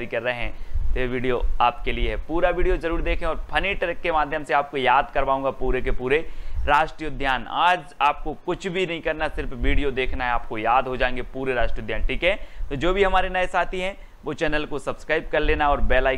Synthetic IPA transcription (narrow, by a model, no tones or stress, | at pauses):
ɾikɐɾːɐɦeɦɛ̃t̪ojeʋiːɖijoaːp̚kelieɦɛpuːɾaʋiːɖijozɐɾuːɾid̪eːkʰẽɔːɾpʰɐniːʈɾkkːemaːd̪ʱjəmseaːp̚kojaːd̪kɐɾʋaːũːŋɡapuːɾekepuːɾeɾaːʃʈɾijod̪ʱjaːna̰ːd͡ʒaːp̚kokʊt͡ʃʰbʱinɐɦĩkɐɾnasɪɾfʋiːɖijod̪eːkʰnaɦɛaːpkojaːd̪ɦod͡ʒaːẽːŋɡepuːɾeɾaːʃʈɾijəd̪jaːnʈiːkɦɛ̃t̪od͡ʒoːbʱiɦɐmaːɾenɐesaːt̪ʰiɦɛ̃ | ʋot͡ʃɛːnəlkosɐbskɾaːɪb̚kɐɾleːnaɔːɾbɛːlaː